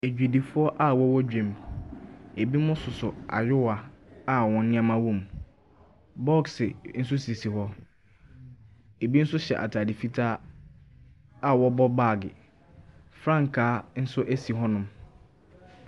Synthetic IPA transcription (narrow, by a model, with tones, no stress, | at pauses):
e˨d͡ʑᶣe˨di˨fʊ˦ɔ˦ʔa˦wɔ˦wɔ˦d͡ʑᶣẽ˨m | e˨bi˦mʊ̃˦sʊ˨sʊ˨a̰˨jɪ˦wa˨a˦˨wɔ̃˨n̩˦nɪ̃˦a˦mã˦wũ˦˨m | bɔ˦ksɪ˨n̩˦sʊ˦si˨si˨ɦɔ˦ | e˨bi˦n̩˦sʊ˦ɕɛ̰˨ʔa̰˨tʰaː˨di˨fi˦tʰaː˦ | a˦wɔ˦bɔ˦baː˦˨ɡɪ̰˨ | fɾã˦ŋ˨kʰaː˨˦n̩˦sʊ˦ʔæ˦si˨ɦɔ˦nʊ̃˦m